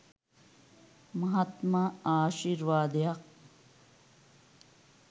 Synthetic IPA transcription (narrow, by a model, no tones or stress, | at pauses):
mɐɦɐt̪maaːʃiɾʋaːd̪jɐq̚